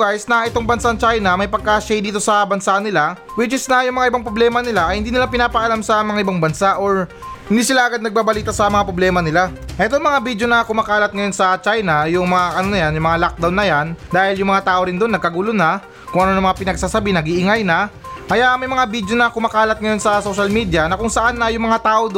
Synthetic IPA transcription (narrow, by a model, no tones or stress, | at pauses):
ɡajsnɐʔɛt̪o̞ŋbɐnsaɐŋt͡ʃajnɐmɐjpɐɡ̚kaʃajd̪iːt̪o̞sɐbɐnsanɪla | wɪt͡ʃɪsnɐjʊŋmɐŋaʔɪbaŋpɾoblɛːmɐnɪlaʔɐjhɪnd̪iːnɪlapɪnaːpɐʔɐlamsɐmɐŋaʔɪbaŋbɐnsaʔo̞ɹ | hɪnd̪iːsɪlaʔɐɡad̪nɐɡ̚baːbɐliːt̪ɐsɐmɐŋapɾoblɛːmɐnɪlaʔɛt̪oŋmɐŋabid̪jo̞nɐkʊmaːkaːlɐt̪̚ŋɐjo̞nsɐt͡ʃajnɐjʊŋmɐŋaʔɐnonɐjanjʊŋmɐŋalak̚d̪awnːɐjand̪aːhɪljʊŋmɐŋat̪aːʔo̞ɾɪnd̪o̞nːɐɡ̚kɐɡuːlonɐ | kʊŋʔɐno̞nɐmɐŋapɪnɐɡ̚saːsɐbinɐɡiʔɪŋajnɐʔɐjamɐjmɐŋabid̪jo̞nɐkʊmaːkaːlɐt̪̚ŋɐjo̞nsɐso̞ʃɐlmid̪jɐnɐkʊŋsɐʔanːɐjʊŋmɐŋat̪aːʔod̪